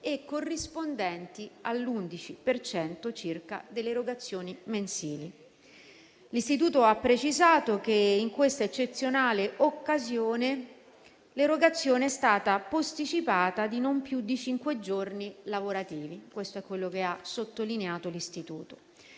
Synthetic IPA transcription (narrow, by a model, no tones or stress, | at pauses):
ekːorːispond̪ɛnt̪ialːund̪it͡ʃipert͡ʃɛnt̪ot͡ʃirka̰d̪elːeɾoɡat̪sːjoːnimensiːli | list̪it̪̬uːt̪oapːɾet͡ʃizaːt̪ok̟eiŋkwest̪aet͡ʃːet̪sːjonaːleʔokːazjoːne | leɾoɡat̪sːjoːneɛst̪aːt̪apost̪it͡ʃipaːt̪ad̪inompjud̪ːit͡ʃiŋkwed͡ʒornilavoɾat̪iːvikwest̪oɛkːwelːokeasot̪ːolineaːt̪olist̪it̪uːt̪o̥